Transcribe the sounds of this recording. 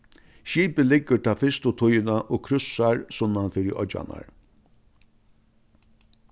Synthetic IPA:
ʃiːpəlɪɡəʈ̪ʰaːfɪst̪ʊt̪ʰʊjɪnaʔoːkʰɾʏsaɹsʊnːanfiːɾɪʔɔ̰d͡ʒa̰na̰ɹ

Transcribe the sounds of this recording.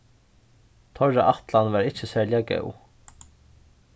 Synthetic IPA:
t̪ʰɔɹːaʔaht̪lanʋaɹɪt͡ʃəsæːɹljakœ̰w

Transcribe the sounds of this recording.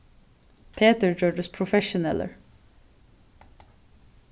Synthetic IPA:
pʰeːt̪əɹd͡ʒøːɖəspʰɹʊfɛʃʊnɛ̰lə̰ɹ

